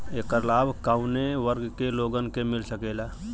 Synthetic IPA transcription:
eːkəɾlaːbʱkaʊneʋəɾɡkeloɡənkemilsəkela

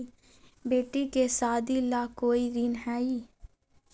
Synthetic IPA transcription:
beːʈikesaːd̪ilaːkoːiɾinɦɛːiː

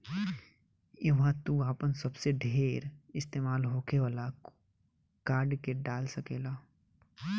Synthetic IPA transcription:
ɪʋãt̪uaːpənsɐbseɖʱeːɾɪst̪eːmaːlɦoːkeʋaːla | kaːɾɖkeɖaːlsɐkeːlaː

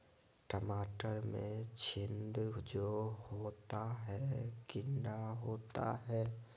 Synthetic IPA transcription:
ʈəmaːʈəɾmḛ̃t͡ʃʰɪnd̪d͡ʒohoːt̪aɦɛkɪ̃ɳɖaɦoːt̪a̰ɦɛː

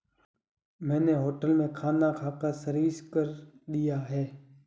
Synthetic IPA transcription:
mɛ̃ːneːɦoːʈəlmẽːkʰaːnakʰaːkaːsəɾʋiːskəɾɗ̪ijaːɦeː

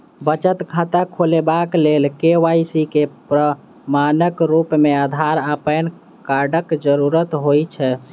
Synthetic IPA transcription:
bət͡ʃət̪kʰat̪akʰolebaklelkeʋajsikepɾə | manəkɾupmead̪ʱaɾapən | kaɾɖəkd͡ʒəɾuɾət̪ɦojt͡ʃʰɛ

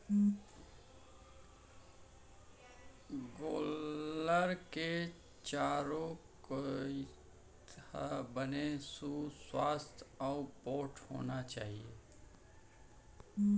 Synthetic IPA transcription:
ɡoːləɾke | t͡ʃaːɾõkoi | tt̪a̰bənesuswaːst̪ʰapoːʈho̰ːnat͡ʃaːɦieː

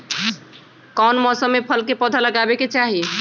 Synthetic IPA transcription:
kɔnmɔsəmːepʰəlkepɔd̪ʱaləɡabeket͡ʃaɦi

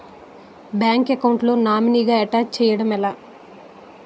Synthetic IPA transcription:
bjaːŋkekɐwɳʈlo̞ːnaːminiɡaːeʈaːk̚t͡ʃɛːjɐɽɐmɛlaː

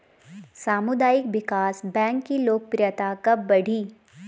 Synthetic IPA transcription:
saːmʊd̪aːjɪkʋɪkaːsbɛ̃ːŋkːiloːk̚pɾɪjət̪akɐbɐɽ̤ʱiː

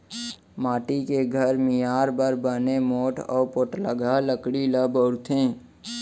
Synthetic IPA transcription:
maːʈikeɡʱəɾmɪjaːɾbəɾbənemoːʈʰɔ̰ːpoːʈləɡaləkɽiləbɔʊɾt̪ʰẽː

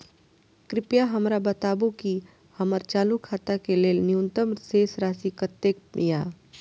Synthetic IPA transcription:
kɾɪpjaɦɐmɾabɐt̪aːbuki | hɐməɾt͡ʃaːlukʰaːt̪akeleːlnɪjũnt̪əmseːsɾaːsikət̪ːek̚jaː

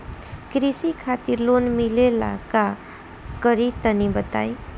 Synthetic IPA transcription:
kɾisikʰat̪iɾlonmilela̰ka | kʌɾit̪ʌnibət̪a̰j

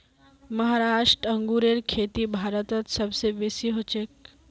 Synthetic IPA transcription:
mɐɦaɾaːʂʈɾəŋɡuɾeɾkʰeːt̪ibʱaɾət̪ət̪sɐbseʋesiɦot͡ʃek̚

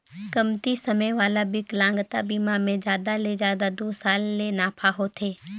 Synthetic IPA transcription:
kəmt̪isəməjʋaːlabɪklãːŋɡt̪abiːmamẽd͡ʒjaːd̪aled͡ʒjaːd̪ad̪oːsaːlːenaːpʰaɦot̪ʰeː

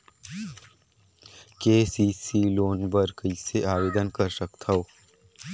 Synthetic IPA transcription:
keːsiːsiːloːnbəɾkəiseaːʋeːd̪ənkəɾsəkt̪ʰaoː

